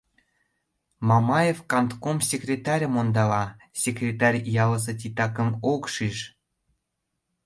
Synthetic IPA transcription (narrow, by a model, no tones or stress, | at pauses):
mɑmɑjefkɑnt̪komsʲekrʲet̪ɑɾʲəmond̪ɑlɑ | sʲekrʲet̪ɑrʲjɑlə̆s̬ɤt̪̬ʲit̪ɑkə̆mokʃiʃ